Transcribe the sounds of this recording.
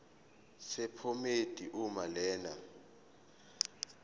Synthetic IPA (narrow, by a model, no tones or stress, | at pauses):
sɛpʰometʼiʔumalɛːna